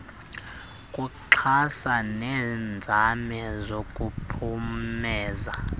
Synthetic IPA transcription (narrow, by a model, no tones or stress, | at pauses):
kʼuǃʰasanɛːnd͡zʱamɛzokʼupʰumɛːza